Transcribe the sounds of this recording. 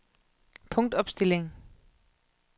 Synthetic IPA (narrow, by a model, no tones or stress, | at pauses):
pʰɔ̽ŋd̥ɒ̽b̥sd̥e̝le̝ŋ